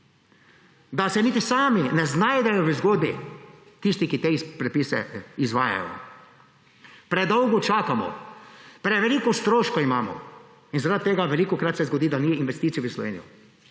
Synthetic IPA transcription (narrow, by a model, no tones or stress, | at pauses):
d̪asɛniːt̪isaːminɛznajd̪ɛjɔʋəzɡoːd̪bi | t̪ist̪ikit̪epɾɛpiːsɛ̰izʋaːja̰jɔ̰ | pɾɛd̪ɔwɡɔt͡ʃaːkamɔ̰pɾɛʋɛliːkɔst̪ɾoːʃkɔimaːmɔ̰ | inzaɾat̪̚t̪ːeːɡaʋɛliːkɔkɾat̪sɛzɡɔd̪iːd̪aniinʋɛst̪it̪sijʋəslɔ̰ʋḛːnijɔ